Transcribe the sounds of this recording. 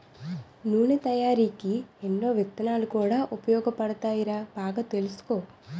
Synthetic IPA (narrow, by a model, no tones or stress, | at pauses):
nuːɳet̪ɐjaːɾiːkienːoːʋɐt̪ːɐnaːlukuːɽaːʔupɐjɔːɡɐpɐɽɐt̪aːjiɾaːbaːɡɐt̪elusu̥koː